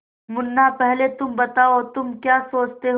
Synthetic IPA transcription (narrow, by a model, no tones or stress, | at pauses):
mʊnːapɛɦlet̪ʊmbɐt̪aːot̪ʊmkjaːsoːt͡ʃt̪eɦ